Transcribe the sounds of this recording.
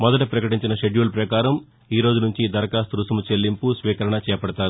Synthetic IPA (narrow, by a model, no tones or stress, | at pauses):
mɔd̪ɐʈɐpɾɐkɐʈiɲt͡ʃinɐʃeɖjuːlpɾɐkaːɾɐm | iːɾo̞ːd͡ʒunuɲt͡ʃid̪ɐɾɐkaːst̪ɾusɐmut͡ʃelːimpusʋiːkɐɾɐɳɐt͡ʃɛːjɐpɐɽɐt̪aːɾu